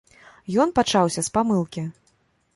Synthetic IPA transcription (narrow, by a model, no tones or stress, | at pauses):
jɔnpat͡ʂawsʲɐspamɨlˠkʲi